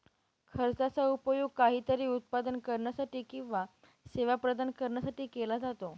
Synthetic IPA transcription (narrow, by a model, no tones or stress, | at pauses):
kʰəɾt͡sat͡saupəjuɡ̚kaɦiːt̪əɾiːut̪̚pad̪ənkəɾɳjasaʈiːkĩw̃ʋa | seʋapɾəd̪ankəɾɳjasaʈiːkelad͡zat̪o